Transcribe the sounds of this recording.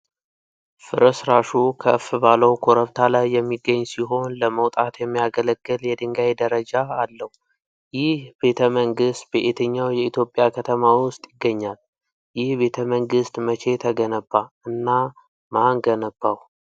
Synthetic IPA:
fɨɾəsɾaʃukʰəfbaləwkʰo̞ɾəβt̪ʰalajːɛmːiɡːəɲːsiɦo̞nləməwt̪ʼat̪jɛmːijaɡələɡːɨljɛd̪ɨŋɡajd̪əɾəd͡ʒaːlːəhu | jɪhbe̞t̪ʰəməŋɡɨst̪̚beʔet̪ʰəɲːawjɛit̪jo̞pʼːjakʰət̪ʰəmawʊst̪ʼjɪɡːəɲːal | jɪhbe̞t̪ʰəməŋɡɨst̪mət͡ʃʰe̞t̪ʰəɡənəbːa | ɨnːa | maŋɡənəb̥ːaw

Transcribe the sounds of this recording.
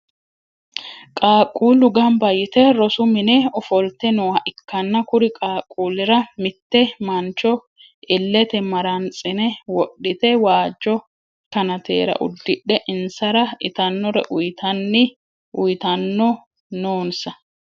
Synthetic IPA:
kʼaːkʼːuːlʊɡɐmbɐjɪt̪ɛɾɔsʊmɪnɛɔfɔlt̪ɛnɔwɐʔɪkːɐnːɐkʊɾɪkʼaːkʼːuːlɪɾɐmɪt̪ːɛmɐnt͡ʃːɔ | ʔɪlːɛt̪ɛmɐɾɐnt͡sʼɪnɛwɔɗːɪt̪ɛwaːd͡ʒːɔ | k̪ɐnɐt̪eːɾɐ̰ʔʊ̰d̪ːɪɗːɛʔɪnsɐɾɐɪt̪ɐnːɔɾɛ̰ʔʊjt̪ɐnːɪ | ʔʊjt̪ɐnːɔ | noːnsɐ

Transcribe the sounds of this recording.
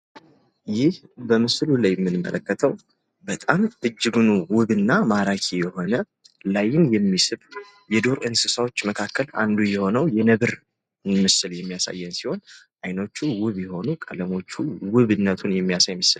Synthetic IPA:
jɪhbəmɨslulajɛmːɨnɨmːə̰ləkːət̪ʰəw | bət̪ʼamɨd͡ʒːɪɡɨnuwʊβɨnːamaɾakʰijɛho̞nə | lajːɪnjɛmːisɨβ | jɛd̪o̞ɾɨnsɨsawo̞t͡ʃːməkʰakːəla̰nd̪ujɛho̞nəwjɛnəβɨɾ | mɨsɨljɛmːijasa̰jːɛnsiho̞nʔajno̞t͡ʃːuwɨβjɛho̞nukʼələmo̞t͡ʃːuwɨβɨnːət̪ʰunjɛmːijasajmɨsɨl

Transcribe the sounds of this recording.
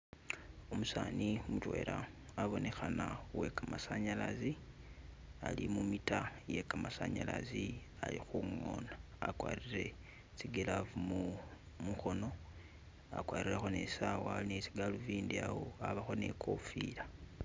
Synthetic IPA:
omusaːniomutwe̞̰ːɾaː | βo̞ne̞xanawe̞kamasaɲalazi | alimumitaje̞kamasaɲala̰zi | alixuŋo̞naːkwa̰ːriɾe̞ | t͡siɡelavumu | muxo̞no̞ | akwaːɾiɾexo̞ne̞sawoalinet͡siɡaluviːndiawoaβaxo̞ne̞kʰo̞fila

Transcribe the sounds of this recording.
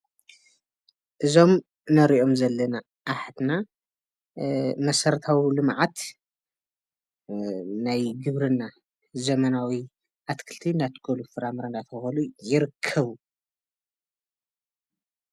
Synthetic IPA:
ʔɨzo̞m | nɐɾiʔo̞mzɐlːɐna | ʔːħt̪na | mɐsɐɾt̪ʰawilɨmʕat̪ | najɡɨβɾɨnːa | zɐmɐnawi | ʔat̪kʰɨlt̪ʰinat̪kʰolufɨɾamɨɾand̪at̪ʰɐxɐlujɪɾɨkʰːɐβu

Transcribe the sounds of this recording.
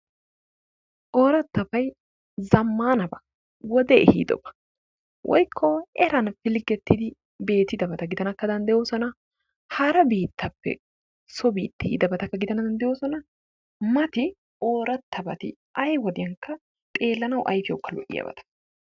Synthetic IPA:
ʔoːɾɐt̪ːɐbɐj | zɐmːaːnɐbɐ | wɔd̪ɛɛhḭːd̪ɔ̰bɐ̥ | wʔɔ̰jkʰːɔɛɾɐnfɪlɡɛt̪ːɪd̪ɪ | be̞ːt̪ɪd̪ɐbɐt̪ɐɡɪd̪ɐnɐkːɐd̪ɐnd̪ɛjoːsɔnɐ | hɐɾɐbiːt̪ːɐpːɛ̰ | sɔbiːt̪ːɪɪ̰d̪ɐbɐt̪ɐkːɐɡɪd̪ɐnɐd̪ɐnd̪ɛjo̞ːsɔnɐ | mɐt̪ɪ | o̞ːɾɐt̪ːɐbɐt̪ɪ̰ | ʔɐjwɔd̪ɪjɐŋkːɐ | t̪ʼe̞ːlːɐnɐwʔɐ̰jfɪjoːkːɐlɔ̰ʔɪ̰jɐ̰bɐ̰t̪ɐ̥

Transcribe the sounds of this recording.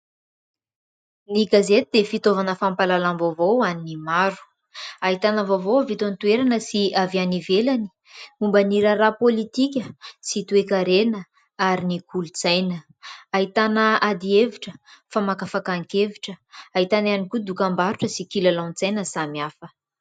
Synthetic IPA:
niɡazet̪id̪efit̪ovanəfampalalamvovowaninimaɾu̥ | aɦit̪anəvovowavit̪ant̪ueɾanəsiavianivelani̥ | umbaniɾərapolit̪ik̬ʲəsit̪uekaɾenə | aɾinikulut͡sajnə | aɦit̪anəad̪ieviʈ͡ʂəfamakafakaŋkeviʈ͡ʂəaɦit̪ananikud̪ukambaɾuʈ͡ʂəsikilalawnt͡sajnəsamiafə

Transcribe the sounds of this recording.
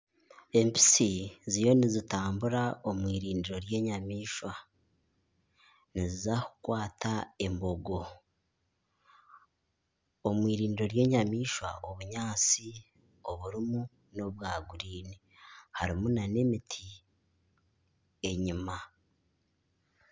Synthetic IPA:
e̞mpi̥sizijo̞nizitaːmbuɾao̞mwiːɾiːndiɾo̞ɾje̞ːɲamiːʃwa | nizizaku̥kwaːtae̞mbo̞ɡo̞ | omwiːɾiːndiɾo̞ɾje̞ːɲamiːʃwa̰ʔoβuɲaːt͡si | o̞βuɾimu | no̞βwaːɡuɾiːni | haɾimunane̞mitʰi | e̞ɲima

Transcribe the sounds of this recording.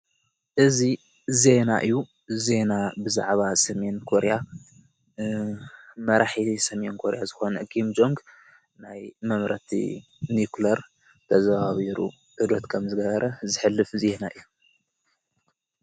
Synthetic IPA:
ʔɨzi | ze̞na̰ʔɨjːu | ze̞nabɨza̰ʕβasɐme̞nkʰoɾja | mɐɾaħisɐme̞nkʰoɾjazɨxo̞nɐɡimd͡ʒo̞ŋɡ | najmɐmɾɐt̪ʰḭ | niklɐɾ | t̪ʰɐzaβaβiɾṵ | ʔɨd̪ot̪kʰɐmzɨɡɐβɐɾʔɐzɨħɨlːɨfze̞naʔɨjːu

